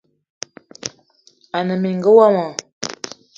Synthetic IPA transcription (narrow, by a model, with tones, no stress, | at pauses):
a˨nə˨mi˨ŋɡə˦wa˦ma˨